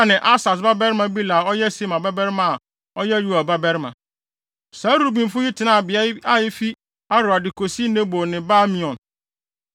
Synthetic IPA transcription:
nɪ̃˨ʔa˦sa˨s̬ba˦bɛ˦ɾɪ˦mã˨bi˦la˨ɔ˦jɛ˦si˦mã˨ba˦bɛ˦ɾmã˨a˨ | ɔ˦jɛ˦ju˦a˨ba˦bɛ˦ɾɪ˦mã˨ | sãː˨˦ɾu˨bĩ˨m˦fʊ˦ji˦tʰɪ˨nã˦˨bɪ˨a˦a˦jɪ˦fi˦ | a˦ɾʊ˨a˨dɪ˨kʰo˨si˦nɛ̃˦bo˨nɪ̃˨ba˦mĩ˨ɔ̃˨n

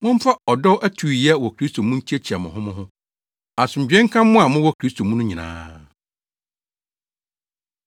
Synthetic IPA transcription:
mʊ̃˦m˦fa˦ɔ˨dɔ˦wʔæ˦tʰu˨i˨jɛ˦wɔ˨kʰɾi˦stʰo˨mũ˦ɲ̩˦t͡ɕʰi˦ɛ˦t͡ɕʰi˨a˨mʊ̰̃˨ɦʊ̃˦mʊ̃˦ɦʊ̃˦ | a˨sʊ̃˨ɲ̩˨d͡ʑᶣɛ̃˦ŋ̩˦kʰã˦mː˦ʊ̃˦a˨mʊ̃˦wɔ˦kʰɾi˦st̪ʰo˨mũ˦nʊ̃˦ɲĩ˨nã̰ː˦

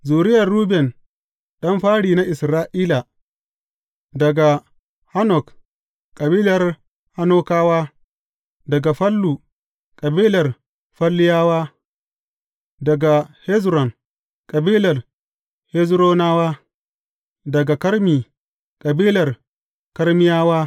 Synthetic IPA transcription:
zuː˨ɾɪ˦jɐ˨rːu˦bɛ˨n | ɗɐ˦mɸaː˦ɽiː˨na˦ʔɪ˨sɾaː˦ʔiː˦la˨ | dɐ˨ɡa˨ | ha˦nɔ˨k | kʼɐ˨biː˦lɐ˨r | ha˦noː˦kaː˦waː˦ | dɐ˨ɡa˨ɸɐ˦lːuː˨ | kʼɐ˨biː˦lɐ˨r | ɸɐ˦lːɪ˦jaː˦waː˦ | dɐ˨ɡa˨hɛ˦zɾɔ˨n | kʼɐ˨biː˦lɐ˨r | hɛ˦zɾoː˦naː˦waː˦ | dɐ˨ɡa˨kɐ˦ɾmiː˨ | kʼɐ˨biː˦lɐ˨r | kɐ˦ɾmɪ˦jaː˦waː˦

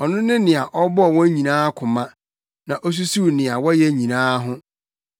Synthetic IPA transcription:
ɔ˨nʊ̃˦nɪ̃˦nɪ̃˨a˨ʔɔ˦bɔ˦ɔ˨wɔ̃˦ɲĩ˨nãː˦kʰʊ̃˨mã˦ | nã˨ʔɔ˦s̬u˦su˦˨nɪ̃˨a˨wɔ˦jɛ˦ɲĩ˨nãː˦ɦʊ̃˦

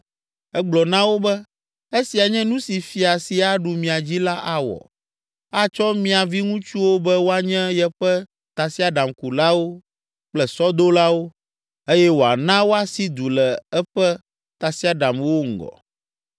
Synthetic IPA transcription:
ɛ˦ɡ͡blɔ˨nã˦wo˦bɛ˦ | e˦si˨a˨ɲɛ̃˦nũ˦si˨fi˨a˨si˨a˨ɖu˨mĩ˨a˨d͡ʑi˦la˦ʔa˦wɔ̰˨ | a˦t͡ʃɔ˦mĩ˦a˨vi˦ŋũ˦t͡ʃu˦wo˦bɛ˦wo˦a˦ɲɛ̃˦jɛ˦ɸɛ˦ | t̪a˨si˦a˦ɖa˨mku˨la˦wo˦ | k͡plɛ˨sɔ˦d̪o˦la˦wo˦ | e˦jɛ˦wo˨a̰˨nã˦wo˦a˨si˦d̪u˨lɛ˨ɛ˦ɸɛ˦ | t̪a˨si˦a˨ɖa˨mwo˦ŋ̩˨ɡɔ̰˨

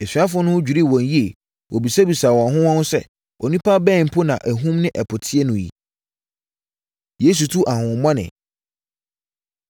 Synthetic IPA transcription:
ɛ˨sɥa˦fʊ̃˦nʊ̃˦ʊ̃˦d͡ʑᶣu˨ɾi˦˨wɔ̃˨n˨ji˦e˨ | wʔɔ˨bi˨sa˦bi˨sa˨wɔ̃˨ɦʊ̃˦wɔ̃˦n˦sɛ̰˦ | ʔɔ˨nĩ˦pʰa˦bɛ̃˦˨m̩˨pʰʊ˦nã̰˨ʔæ˨ɦũ˦mnɪ̃˦ʔɛ˨pʰʊ˨tʰɪ˦ɛ˦nʊ̃˨jḭ˨ | je˦s̬u˨tʰu˦ʔa˨hʊ̃˨mɔ̃˦nɪ̰̃˨

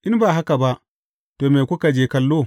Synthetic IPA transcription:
ʔɪ˦nbaː˨ɦa˦ka˨ba˦ʔ | toː˨me˨kʷʊ˦ka˨d͡ʒeː˦kɐ˦lːoː˦˨

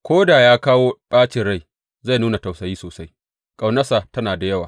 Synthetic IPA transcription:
kʷoː˦daː˨jaː˦kaː˦woː˦ɓʼaː˦t͡ʃɪ˨ɽa˦˨j | za˦˨jnuː˦na˨ta˨wsɐ˨jiː˦soː˨sa˦j | kʼa˨wnɐ˦saː˨tɐ˦naː˨da˨jɐ˦waː˨

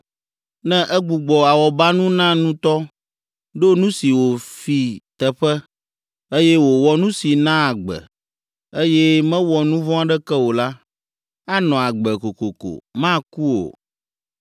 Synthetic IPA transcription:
nɛ̃˦ʔɛ˦ɡ͡bu˨ɡ͡bɔ˨a˨wɔ˨ba˦nũ˦nã˦nũ˦t̪ɔ˦ | ɖo˦nũ˦si˨wo˨fi˨t̪ɛ˨ɸɛ˦ | e˦jɛ˦wo˨wɔ˨nũ˦si˨nã˦a˨ɡ͡bɛ̰˨ | e˦jɛ˦mɛ̃˦wɔ˨nũ˦vɔ̃˦a˨ɖɛ˦kɛ˦wo˨la˦ | a˦nɔ̃˨a˨ɡ͡bɛ˨ko˨ko˨ko̰˨mã˦ku˦o̰˨

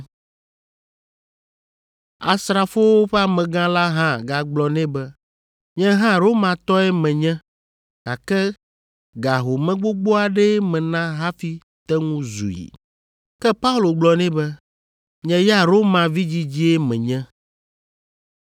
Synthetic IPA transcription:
a̰˨sɾa˨fo˦wo˦ɸɛ˦a˦˨mɛ̃˨ɡã˦la˦ɦã˦ɡa˨ɡ͡blɔ˨nɛ̃˦bɛ˦ | ɲɛ̃˦ɦã˦ɾo˦mã˨t̪ɔ˦ɛ˦mɛ̃˨ɲɛ̃˦ | ka˨kɛ˦ | ɡa˨ɦo˨mɛ̃˦ɡ͡bo˦ɡ͡bo˦a˨ɖɛ˦mɛ̃˨nã˦ɦa˦fi˦ | t̪ɛ˦ŋũ˦zṵ˨jḭ˨ | kɛ˦pa˦u˦lo˨ɡ͡blɔ˨nɛ̃˦bɛ˦ | ɲɛ̃˦ja˦ɾo˦mã˨vi˦d͡ʑi˦d͡ʑi˦ɛ˦mɛ̰̃˨ɲɛ̃˦

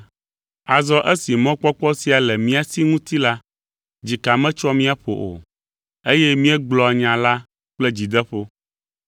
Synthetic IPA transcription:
a˨zɔ˦ʔe˦si˨mɔ̃˦k͡pɔ˦k͡pɔ˦si˦a˨lɛ˨mĩ˦a˨si˦ŋũ˦t̪i˦la˦ | d͡ʑi˨ka˨mɛ̃˦t͡ʃɔ˦mĩ˦a˦ɸo̰˨ʔo̰˨ | e˦jɛ˦mĩ˦ɛ˦ɡ͡blɔ˨a˨ɲã˨la˦ | k͡plɛ˦d͡ʑi˨d̪ɛ˦ɸo˦

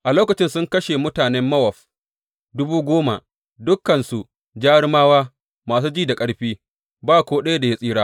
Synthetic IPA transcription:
ʔa˨loː˦kɐ˨t͡ʃɪ˦nsʊ˦ŋkɐ˦ʃe˨mʊ˦taː˨nɛ˦mːɐ˦wɐ˨ɸ | dʊ˦buː˦ɡʷoː˦ma̰˨ʔ | dʊ˦kːɐ˨nsu˨ | d͡ʒaː˦ɽmaː˦waː˦ | maː˨s̬uː˦d͡ʒiː˦˨da˨kʼɐ˦ɽɸiː˦ | baː˦˨kʷoː˦ɗɐ˦ja˦da˨ja˦sʼiː˦ɽaː˦

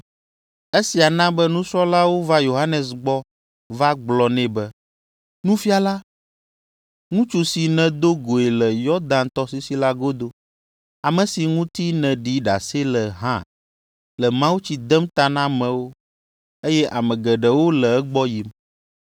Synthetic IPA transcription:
e˦si˨a˨nã˦bɛ˦nũ˦sɾɔ˦la˦wo˦va˦jo˨ɦa˦nɛ˨sɡ͡bɔ˦ | va˦ɡ͡blɔ˨nɛ̃˦bɛ˦ | nũ˦fi˦a˨la˦ | ŋũ˦t͡ʃu˨si˨nɛ̃˨d̪o˦ɡo˨e˨lɛ˨jɔ˦d̪ã˦nt̪ɔ˦si˦si˦la˦ɡo˦d̪o˦ | a˨mɛ̃˨si˨ŋũ˦t̪i˦nɛ̃˨ɖi˦ɖa̰˨se˦lɛ˨ɦã̰˦˨ | lɛ˨mã˦wu˦t͡ɕi˦d̪ɛ˦mt̪a˦nã˦mɛ̃˨wo˦ | e˦jɛ˦ʔa˨mɛ̃˨ɡɛ˨ɖɛ˨wo˦lɛ˨ɛ˦ɡ͡bɔ˦ji˨m

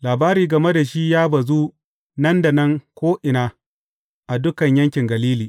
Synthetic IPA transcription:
laː˨baː˦ɾiː˨ɡɐ˨me˦da˨ʃi˦jaː˦bɐ˨zu˦ | nɐ˦nda˨nɐ˦ŋkʷoː˦ʔɪ˨naː˦ | ʔa˨dʊ˦kɐ˨ɲjɐ˦ŋkʲɪ˨ŋɡɐ˨liː˦liː˨

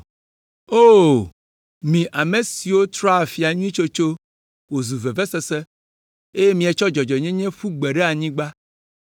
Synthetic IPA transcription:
o˦ | mĩ˨ʔa˨me˨si˨wo˦t̪ɾɔ˦a˨fi˨a˨ɲũ˦ĩ˦t͡ʃo˦t͡ʃo˦ | wo˨zu˨vɛ˨vɛ˦sɛ˦sɛ˦ | e˦je˦mĩ˨ɛ˨t͡ʃɔ˦d͡ʒɔ˨d͡ʒɔ˨ɲɛ̃˦ɲɛ̃˦ɸu˦ɡ͡bɛ˨ɖɛ˦a˨ɲĩ˦ɡ͡ba˦

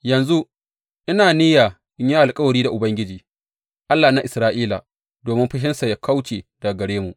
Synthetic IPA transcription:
jɐ˨nzu˦ | ʔɪ˦naː˨niː˦jaː˨ | ʔɪ˦ɲjaː˦ʔa˨lkʼɐ˦wɐ˨ɽiː˦da˨ʔʊ˨bɐ˦ŋɡʲɪ˦d͡ʒiː˨ | ʔa˦lːaː˨na˦ʔɪ˨sɾaː˦ʔiː˦la̰˨ | doː˨mɪ˦mɸɪ˦ʃ̬ɪ˦nsa˨ja˦kʰa˦wt͡ʃeː˨da˨ɡɐ˨ɽeː˦mu˨ʔ

